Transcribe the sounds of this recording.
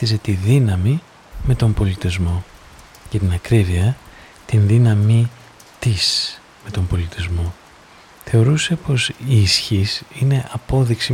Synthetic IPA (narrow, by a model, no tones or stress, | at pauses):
ise̞t̪iðinɐmi | me̞t̪o̞mbo̞lit̪izmo̞ | cet̪inɐkɾiviɐ | t̪inðinɐmi | t̪is | me̞t̪o̞mbo̞lit̪izmo̞ | θe̞o̞ɾuse̞po̞sisçisine̞ʔɐpo̞ðiksi